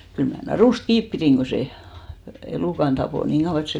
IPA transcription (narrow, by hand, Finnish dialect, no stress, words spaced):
kyl mæ nɑruˑst kiːp piriˑŋ ɡ̊o se eluˑkɑn d̥ɑpoˑ niːŋ ɡ̊ɑuw̆ɑ et se